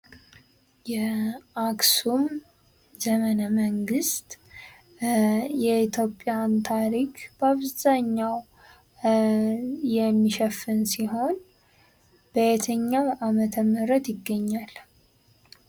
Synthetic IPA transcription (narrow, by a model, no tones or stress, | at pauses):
jɛaksum | zəmənəməŋɡɨst̪ | jɛit̪ʰjo̞pʼːjant̪ʰaɾikb̥əaβzaɲːaw | jɛmːiʃɛfːɨnsiɦo̞n | b̥əet̪ʰəɲːaamət̪ʰəmːɨɾət̪jɪɡːəɲːal